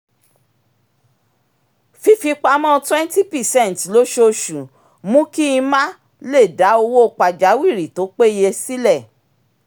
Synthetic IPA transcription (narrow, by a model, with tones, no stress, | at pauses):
fi˧fi˧k͡pa˧mɔ̃˦˨˧twɛ̃˦n˦ti˦pɛ˨sɛ̃˦˨n˨tlo˦ʃo˦˧ʃũ˨ | mũ˦ki˦ĩ˧mã˦ | le˦˨da˨˦o˧wo˦o˧k͡pa˨d͡ʒa˨˦wi˦˨ɾi˨to˨˦k͡pe˦je˧si˦lɛ˦˨